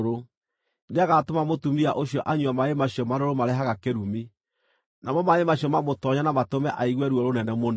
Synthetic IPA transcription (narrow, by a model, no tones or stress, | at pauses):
ɾo | ndeaɣatomamotumiaʔoɕiɔʔaɲuamaemaɕjɔmaɾoɾomaɾeɦaɣakeɾumi | namɔmaemaɕijɔmamotɔɲanamatomɛʔaiɣwɛɾuɔɾonɛnɛmon